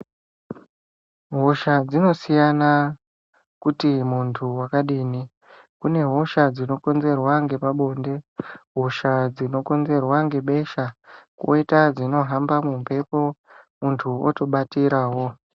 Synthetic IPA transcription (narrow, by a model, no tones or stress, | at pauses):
ɦoʃad͡zino̞sijana | kutimuntʰuwakaɗiːni | kune̞ɦo̞ʃad͡zino̞ko̞nze̞rwaŋɡe̞paɓo̞ːnde̞ɦoʃad͡zino̞ko̞nze̞rwaŋɡe̞ɓe̞ʃakwo̰itad͡zino̞ɦambamumpe̞po | muntʰuo̰to̞ɓatiɾaːɦo̞